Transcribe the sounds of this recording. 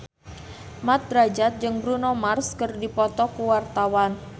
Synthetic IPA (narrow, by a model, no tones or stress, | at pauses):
mat̪̚ɾad͡ʒat̪̚d͡ʒɨŋbɾunomarskərdipɔt̪ɔkuwart̪awan